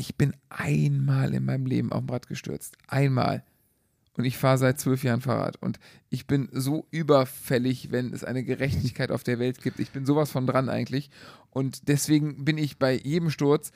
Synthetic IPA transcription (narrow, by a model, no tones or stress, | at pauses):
ʔɪçb̥ɪnʔa̰ɪnmaːlʔɪ̰nmaɪnəmlḛːbm̩ʔa̰ʊfmʁatɡ̥əʃtʏ̰ɐt͡stʔaɪnma̰ːl | ʔʊntɪçfaːʁəzaɪt̚t͡sv̥œlfjaːʁən̩faːʁa̰ːtʊ̰nt | ʔɪçb̥ɪnzoːʔyːbɐfɛlɪçvɛnɛ̰sʔa̰ɪnəɡəʁɛçtɪçkʰaɪtaʊfd̥eːɐvɛlt̚ɡ̥iːp̚tɪçb̥ɪnzoːvasfɔndʁanʔa̰ɪɡŋ̩tlɪçʔʊntd̥ɛsv̥eːɡŋ̩bɪnɪçb̥aɪjeːdəmʃtʊɐt͡s